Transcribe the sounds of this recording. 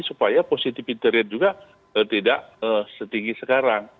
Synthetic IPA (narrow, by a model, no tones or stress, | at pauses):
supajaposit̪ɪfint̪əɾɛt̪̚d͡ʒuɡa | ət̪idaʔəsət̪iŋɡisəkaɾaŋ